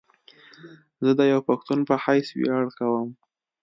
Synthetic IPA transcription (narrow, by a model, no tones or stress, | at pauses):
zəd̪əjawpaxt̪unpəhajswḭaɽkawəm